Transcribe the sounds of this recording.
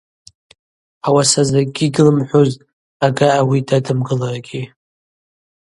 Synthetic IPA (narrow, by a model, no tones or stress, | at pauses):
awasazaɡʲiɡɨlɨmħʷʊzʼ | aɡaːwidadɨmɡɨlarɡʲi